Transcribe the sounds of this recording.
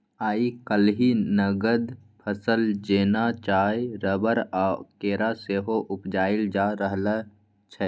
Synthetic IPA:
aːikəlɦinəɡəd̪pʰəsəld͡ʒeːnat͡ʃaːeɾəbəɾaːkeːɾaseːɦoʔʊpd͡ʒaːɪld͡ʒaːɾəɦla | t͡ʃʰɛ

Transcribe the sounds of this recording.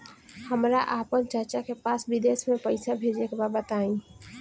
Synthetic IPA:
həmɾaʔaːpənt͡ʃəɾt͡ʃakepaːsʋɪd̪eːʃmẽpəɪsabʱeːd͡ʒekebabat̪aːĩː

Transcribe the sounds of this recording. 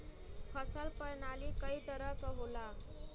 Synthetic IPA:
pʰəsəlpəɾɳalikəit̪əɾəkəɦola

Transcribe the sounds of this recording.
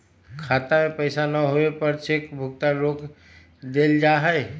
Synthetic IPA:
kʰaːt̪amẽpəɪsanəɦoepəɾt͡ʃʰekbʱʊk̚t̪aɾoːk | d̪eːld͡ʒaːɦɛe

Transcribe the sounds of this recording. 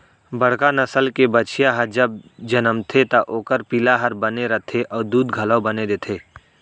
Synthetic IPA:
bɐɽ̤kanɐsəlkebɐt͡ʃijaɦəd͡ʒɐb̚d͡ʒɐnəmt̪ʰet̪ɐʔoːkəɾpilaɦɐɾbɐneɾɐt̪ʰeʔɔːɾd̪uːd̪ɡʱɐləːbɐned̪eːt̪ʰeː

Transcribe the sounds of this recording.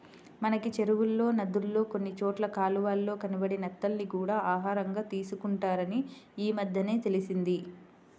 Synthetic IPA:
mɐnɐkit͡ʃe̞ɾuwulːo̞ːnɐd̪ulːo̞ːko̞nːit͡ʃoːʈlɐkaːluʋaːlːo̞ːkɐnibɐɽinɛt̪ːɐlnikuːɽaːʔaːɦaːɾɐŋɡaːt̪iːsukuɳʈaːɾɐniiːmɐd̪ʱjɐne̞ːt̪e̞lisind̪i

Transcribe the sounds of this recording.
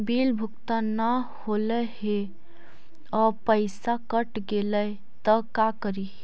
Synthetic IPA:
bilbʱʊkt̪ana | holəɦe | ɔɾpəɪsakəʈɡelə | t̪əkakəɾi

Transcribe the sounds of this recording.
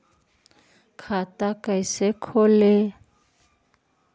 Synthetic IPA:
kʰatakʼaisɛkʰɔlɪ

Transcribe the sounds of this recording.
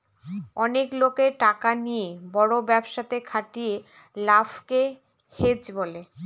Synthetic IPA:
ɔneklokeɾʈakanijebɔɽobɛbʃat̪ekʰaʈie | lafke | hed͡ʑbole

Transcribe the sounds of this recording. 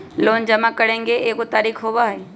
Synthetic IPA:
loːnd͡ʒɐmakəɽẽːŋɡeʔeːkot̪aːɾiːkɦoʋaɦe

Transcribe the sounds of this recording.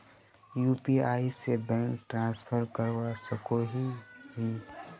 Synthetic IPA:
juːpiaːisebɛ̃ːŋkʈɾãːspʰəɾkəɾwasəkoɦiɦi

